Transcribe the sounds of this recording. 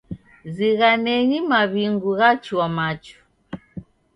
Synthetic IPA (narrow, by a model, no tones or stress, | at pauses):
ziɣanɛɲimaβiŋɡuɣat͡ʃuamat͡ʃu̥